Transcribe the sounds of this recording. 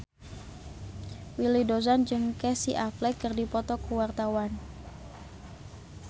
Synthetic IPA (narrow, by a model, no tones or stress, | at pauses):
wilidozand͡ʒɨŋkɛsiʔaplɛkərdipɔt̪ɔkuwart̪awan